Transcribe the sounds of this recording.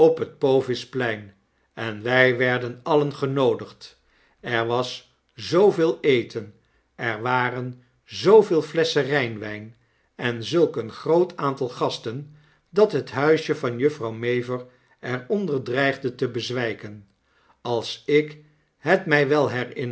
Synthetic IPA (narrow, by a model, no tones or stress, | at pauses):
ɔpɦət̚powvɪsplɛjn | ɛnʋɛjʋɛɹdənɑlənχənowdəχt | ɛɹʋɑs | zowvɪːlˠejtən | ʔɛɹʋaːrən | zowvɪːlˠflɛsərɛjnʋɛjn | ɛnzɵlˠkənχrowtaːntɑlˠχɑstən | dɑtɦətɦœɥʃjəvɑnjɵfrɑwmejvəɹ | ɛɹɔndəɹdrɛjχdətəbəzʋɛjkən | ɑlˠsɪk | ɦətmɛjʋɛlˠɦɛrɪn